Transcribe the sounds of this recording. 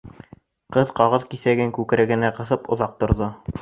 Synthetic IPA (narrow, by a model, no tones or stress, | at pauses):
qɤðqɑʁɤðkiθæɡɘŋkʉkɘ̆ɾɘɡɘ̆næqɤ̆θɤpŏðɑq̚t̪ŏɾðɤ